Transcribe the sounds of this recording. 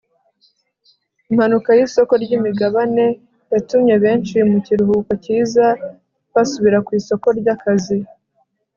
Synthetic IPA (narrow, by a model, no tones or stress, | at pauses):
im̥hanukajiso̞ko̞ɾɟimiɡaβane̞ | jatumɲe̞βe̞ːnt͡ʃimuciɾuhuːkaciːza | βasuβiɾakwiːso̞ko̞ɾɟakazi